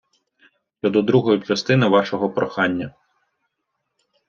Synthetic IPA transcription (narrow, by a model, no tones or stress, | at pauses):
ɔd̪ɔd̪ɾuɦɔjut͡ʃɐst̪ɪnɪʋɑʃɔɦɔpɾɔxɑnʲːɐ